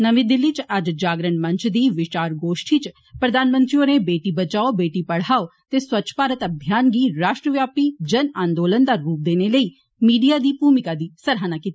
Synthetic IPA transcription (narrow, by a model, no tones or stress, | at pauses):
nəʋĩːd̪ɪlːiːt͡ʃəd͡ʒd͡ʒaːɡɾəɳmə̃ɲt͡ʃd̪iːʋɪt͡ʃaːɾɡoːʃʈiːt͡ʃ | pɾəd̪aːnmə̃nt̪ɾioːnẽbeːʈiːbət͡ʃaːobeːʈiːpəɽ̤aːot̪eːswətːʃʰpaːɾət̪əbʱjaːnɡiːɾaːʃʈɾəʋjaːpiːd͡ʒənãːnd̪oːlənd̪aːɾuːp̚d̪eːneːləiː | miːɖijaːd̪iːpuːmɪkaːd̪iːsəɾɦaːnaːkiːt̪ːi